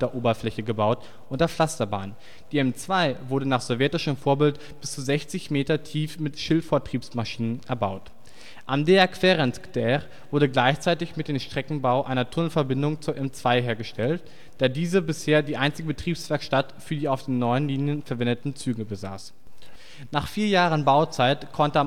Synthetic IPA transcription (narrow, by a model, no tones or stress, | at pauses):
d̥eːɐʔoːbɐflɛçəɡəbaʊt | ʔʊntdeɐflastɐba̰ːn | d̥iːɛmt͡sv̥aɪvʊɐɾənaːχz̥ɔvjɛtɪʃəmfoːɐbɪlt | b̥ɪst͡suzɛçt͡sɪçmeːtɐtʰiːfmɪtʃɪltfoːɐtʁ̥iːpsmaʃiːnənʔɛɐbaʊt | ʔamdeɛɐkʰv̥eʁɛntkd̥ɛʁ | v̥ʊɐdəɡlaɪçt͡saɪtɪçmɪt̚d̥eːmʃtʁ̥ɛkŋ̩baʊʔaɪnɐtʰʊnəl̩n̩fɛɐbɪndʊŋt͡suːɐʔɛmt͡sv̥aɪɦeːɐɡəʃtɛlt | d̥aːdiːzəbɪsheːɐdiːʔaɪnt͡sɪɡəbətʁ̥iːpsv̥ɛɐkʃtatfyːɐdiːaʊfd̥eːnːɔʏənliːnjənfɛɐvɛndətn̩t͡syːɡəbəza̰ːs | naːχfiːɐjaːʁənbaʊt͡saɪtkʰɔntəam